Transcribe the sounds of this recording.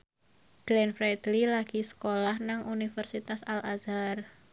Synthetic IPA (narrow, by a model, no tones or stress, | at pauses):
b̥lɛnfɾɛd̪lilaɡ̥isə̥kolahnaŋʔunifərsit̪asalʔazar